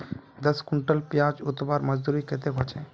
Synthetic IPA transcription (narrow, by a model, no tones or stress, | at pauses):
d̪əskʊɳʈəlpjaːd͡ʒʊt̪baːɾməd͡ʒd̪uɾiket̪eɦot͡ʃʰɛ̃